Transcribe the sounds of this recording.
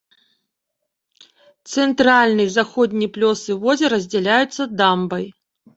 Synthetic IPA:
t̪sɛnt̪ɾalʲnɨjzaxɔd̪ʲnʲiplʲɔsɨvɔzʲɛɾɐzʲd͡zʲɛlʲajut̪sːɐd̪ambɐj

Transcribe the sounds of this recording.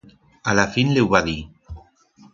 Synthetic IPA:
alafinlewβaði

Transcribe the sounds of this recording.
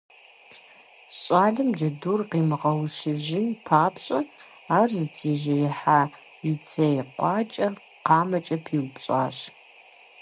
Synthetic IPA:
ɕʼaːɮɨmd͡ʒɐduːrqiːmʁɐwʃɪʒɪpʰaːpɕʼɐ | aːrzɨtʰiːʒɐjɪħaː | it͡sʰɐjqʷɑːt͡ʃʼɐ | qɑːmɐt͡ʃʼɐpʰiːwpɕʼa̰ːɕ

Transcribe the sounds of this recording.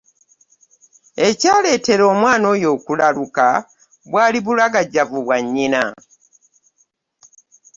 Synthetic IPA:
e̞caːle̞ːte̞ɾo̞ːmwaːno̞ːjo̞ːkulaluka | βwaːliβulaɡaɟːavuβwaɲːina

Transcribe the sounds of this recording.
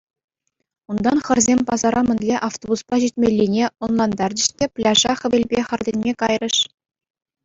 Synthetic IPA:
und̪ɑnχɘ̆rzʲemʲpɑzɑɾʔɑmʲɘ̆nʲlʲeʔɑft̪obuspɑʑitʲmʲelʲːinʲeonlˠɑnd̪ɑrdɘ̆ɕt̪ʲeplʲɑʐɑχɘ̆bʲelʲbʲeχɤ̆rdʲenʲmʲekɑjrɤ̆ʂ

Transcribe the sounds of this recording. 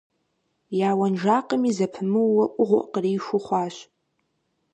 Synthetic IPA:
jaːwanʒaqʼəmizapʰmɨːaʔʷʼʊʁʷʊ̰ʔqriːʃʷʊχʷaːʃ

